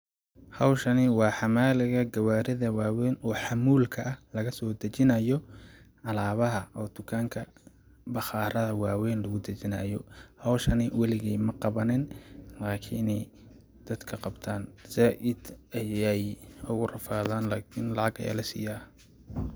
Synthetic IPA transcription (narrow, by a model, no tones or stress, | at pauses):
hɑwʃɐnɪwɑːħɑmaːlɪɣɐɡɐwaːɾɪðɐwɑːwɛːnɔːħɑmuːlkʰɐʔɐhlɐɣɐsɔːd̪ɐt͡ʃɪnɐjɔ | ʕɑlaːβɐɦɐʔɔːd̪̥ʊkʰaːŋkʰɐ | bɑχɑːɾɐðɐwɑːwɛːnlɐɣʊd̪ɐt͡ʃɪnɐjɔhɐwʃɐnɪwɛlɪɣɛjmɐqɑβɐnɛnlaːkʰɪnɛj | d̪̥ɐd̪̥kʰɐqɑbt̪ʰaːnsaːʔɪd̪̥ɛjɛjʊɣʊrɐfaːðaːnlaːkʰɪnlɑʕɑɡɐ̰j̰lɐsḭjaː